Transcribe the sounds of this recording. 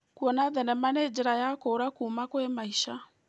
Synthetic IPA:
kuɔnaðɛnɛmaneːd͡ʒeɾajakoːɾakumakwemaiʃa

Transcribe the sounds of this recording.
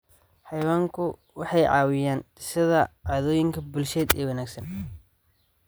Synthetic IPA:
ħɑjwaːŋkʰʊ | wɑħɑjʕɑ̰ːwɪjaːndɪsɐðɐʕaːðɔːjɪŋkʰɐbʊlʃɛːd̪ɛːwɐnaːɡsɐn

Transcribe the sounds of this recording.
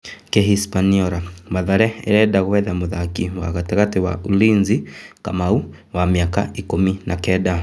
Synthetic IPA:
kɛɦispaniɔɾamaðaɾɛɛ̰ɾɛɗaɣwɛðamuðakiwa̰katikatiwa̰ulinzika̰mau | wamiaka̰ikuminʔakɛɗa

